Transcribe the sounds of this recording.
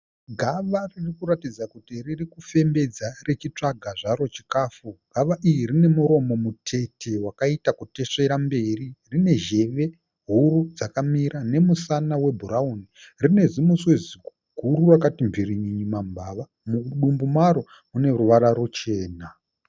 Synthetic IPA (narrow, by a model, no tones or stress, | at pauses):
ɡʱaʋaririkuɾatid͡zakutiririkufe̞mbe̞d͡zare̞t͡ʃit͡ʂaɡʱaʐaɾo̞t͡ʃi̥kaːfuɡʱaʋaʔijirine̞muɾo̞mo̞mutʰe̞tʰe̞wakaitakute̞ʂe̞ɾambe̞ririne̞ʒe̞ʋe̞ | ɦuɾud͡zakamiɾane̞musanawe̞bʱuɾaunirine̞zimuswezi | ɡʱuɾurakatimviriɲiɲimambʱaʋa | muɗumbumaɾo̞ | une̞ruʋaɾaɾut͡ʃe̞ːna